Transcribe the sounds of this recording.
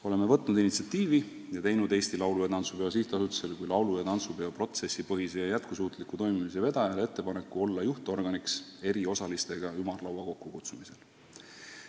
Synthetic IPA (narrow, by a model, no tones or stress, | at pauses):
o̞leme̞vɤt̪ːnud̪init̪siɑt̪ːiːvi | jɑt̪e̞jnud̪̥e̞ːst̪ilɑwlujɑt̪ɑnt̪supe̞os̬iht̪ːˑɑsut̪ːi̥se̞lkujlɑwlujɑt̪ɑnt̪supe̞opro̞t̪se̞sːipɤɦise̞jɑjæt̪̚kusuːt̪ˑlikːˑut̪o̞jmimis̬e̞ve̞d̪̥ɑjɑlee̞t̪ːe̞pɑne̞kːˑuo̞lːɑjuht̪o̞rɡ̥ɑnikse̞ɾio̞sɑlist̪e̞ɡ̥ɑjumɑrlɑwɑko̞kːukut̪sumise̞l